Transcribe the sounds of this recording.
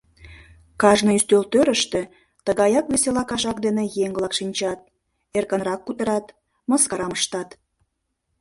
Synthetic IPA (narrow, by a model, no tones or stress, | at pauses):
kɑʒnəyst̪ølt̪øɾəʃt̪e | t̪əɣɑjɑkβeselɑkɑʃɑkd̪enejeŋβlɑkʃinʲt͡ɕɑt̪̚ | erkə̆nɾɑkːut̪əɾɑt̪ | məskɑɾɑməʃt̪ɑt̪